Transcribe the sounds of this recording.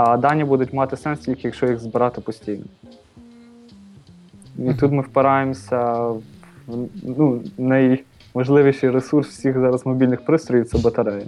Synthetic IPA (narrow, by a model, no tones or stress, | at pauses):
ɐd̪ɑnʲːibud̪ʊtʲmɑt̪ɪsɛnst̪ʲilʲkʲjɐkʃt͡ʃɔjiɣzbɪɾɑt̪ɪpɔsʲtʲijnɔ | it̪ut̪mɪwpɪɾɑjemsʲɐ | nunɐj | mɐʒlˠɪʋʲiʃɪjɾesurswsʲixzɑɾɐzmɔbʲilʲnɪxpɾɪst̪ɾɔjiwtsɛbɐt̪ɐɾɛjɛ